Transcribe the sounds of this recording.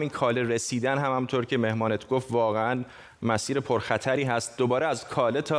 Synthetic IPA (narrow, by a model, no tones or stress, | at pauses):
miːnkʰɒːleɾesiːd̪ænɦæmhæmint̪ʰoːɾcʰe̞me̞hmɒːnet̪ʰɡo̞ft̪vɒːɣeæn | mæsiːɾe̞pʰoɾxæt̪ʰæɾiːɦæst̪̚d̪obɒːɾeæzkʰɒːlet̪ʰɒː